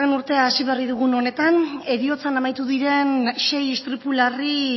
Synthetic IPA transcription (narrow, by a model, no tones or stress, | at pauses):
renuɾt̪e̞aːsiβeriðuɣuno̞ne̞t̪ane̞ɾio̞t͡sanamajt̪uðiɾe̞nʃe̞jest̪ɾipulari